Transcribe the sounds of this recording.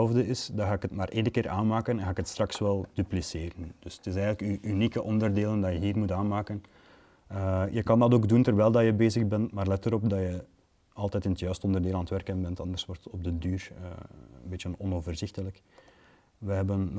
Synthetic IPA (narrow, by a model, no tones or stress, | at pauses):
lˠvdəɪsdɑɣaːɪkətmaːrʔeːdəkɪːɾʔa̰ːnmaːkənɛnxaːɪkətstrɑksʋɛlˠd̥ypliseːɾənd̥ɵstɪsɛjɣənləkyynikəʔɔndərdeːləndɑjəɦiːrmutaːnmaːkən | əjəkɑndɑtoːɡduntərʋɛjlˠdɑjəbeːzəɣbɛntmaːrlɛtəɾɔp̚dɑjə | ɑlˠtɛːtɪnətjœːɥstəɔndərdeːlˠanətʋɛrkənbɛntɑnd̪ərswɔrtəɔb̚dədyːrə̰ənbeːtjənɔnoːvərzɪxtələk | ʋəɦɛbən